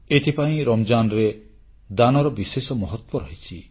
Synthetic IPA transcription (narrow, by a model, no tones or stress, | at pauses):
et̪ʰipaĩɾɔmd͡ʒanɔɾe | d̪anɔɾɔbisesɔmɔɦɔt̪wɔɾɔɦit͡ʃʰi